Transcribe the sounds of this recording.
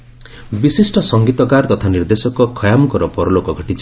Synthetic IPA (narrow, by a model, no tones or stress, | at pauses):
bisisʈɔsɔŋɡit̪ɔɡaɾt̪ɔt̪ʰaniɾd̪esɔkɔkʰɔjamɔkɔɾɔpɔɾɔlokɔɡʱɔʈit͡ʃi